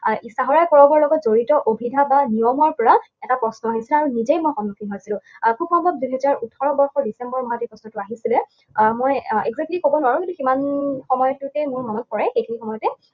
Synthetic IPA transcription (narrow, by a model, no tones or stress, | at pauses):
ʔisaɦɔɹajkɔɹɔbɔɹlɔɡɔtzoɹitɔʔobʱidʱabanijɔmɔɹpɔɹa | ɛtapɹɔsnɔaɦisilaɹunizejmojxɔnːukʰiɦojsilʊ̃kʰubxɔmbʱɔb̚duɦɛzaɹutʰɔɹɔbɔɹxɔdisɛmbɔɹmɔɦatejpɹɔsnɔtʊaɦisilɛ | mojɛ̰ɡzɛklixobɔnuwaɹũkĩntuximanxɔmɔjɔtutɛmʊɹmɔmɔt̚pɔɹɛxejkʰinixɔmɔjɔtɛ